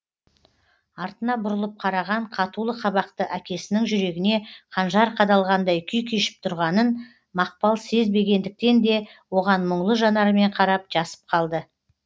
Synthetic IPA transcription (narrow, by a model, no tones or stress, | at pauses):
ɑɾt̪ənɑbʊɾəlˠəp̚qʰɑɾɑʁɑɴqʰɑt̪ulˠəqʰɑβɑqt̪əʔækʲe̞sɪnɪŋʒʏɾe̞ɡʲɪne̞qʰɑnʒɑɾqʰɑd̪ɑlˠʁɑnd̪ɑjkʲʰʏjkʲʰeʃɪ̥p̚t̪ʰʊɾʁɑnən | mɑq̚pɑlˠse̞zbe̞ɡʲe̞nd̪ɪk̚t̪e̞nd̪e̞wo̞ʁɑnmʊɴlˠəʒɑnɑɾəme̞ɴqʰɑɾɑp̚ʒɑsə̥p̚qʰɑlˠd̪ə